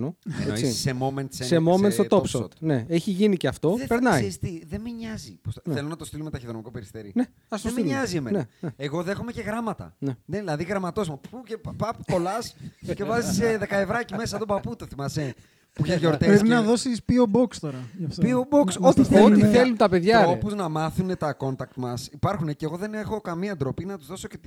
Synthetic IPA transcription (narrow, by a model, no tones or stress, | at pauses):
noḛenoiissemoment̪sesemoment̪st̪ot̪opsot̪ne̞eçiʝiniceɐft̪o̞peɾnɐist̪iðemiɲɐzḭpost̪nelonɐt̪ost̪ilomet̪ɐçiðonmiko̞peɾist̪eɾine | ɐst̪osmilɲɐziemeneneeɣo̞ðe̞xo̞me̞ceɣɾɐmɐt̪ɐ̰neneðilɐðiɣɾɐmɐt̪osmɐpucepɐpko̞lɐsce̞vɐziseðe̞kɐevɾɐcimesɐt̪obɐput̪oθimɐse | puçeʝeoɾt̪epɾepinɐðo̞sispiobokst̪oɾɐɐft̪pioboksot̪iθeot̪iθelunt̪ɐpe̞ðʝɐopuznɐmɐθunet̪ɐko̞nt̪ɐk̚t̪mɐsipɐɾxuneceɣo̞ðe̞ne̞xo̞kɐmiɐːnd̪ɾo̞pinɐt̪uzðo̞so̞cet̪